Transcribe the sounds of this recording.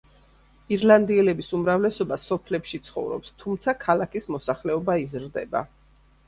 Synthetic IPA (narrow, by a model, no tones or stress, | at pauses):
iɾland̪iɛlɛbisumɾavlɛsɔbasɔpʰlɛpʃit̪sʰχɔ̰vɾɔ̰pst̪ʰumt̪sʰakʰalakʰismɔsaχlɛɔbaizɾd̪ɛ̰ba̰